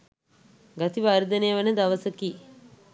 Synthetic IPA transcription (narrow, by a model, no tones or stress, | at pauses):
ɡat̪iʋaːɾəd̪ɐnejəʋnəd̪aʋɐsəkiː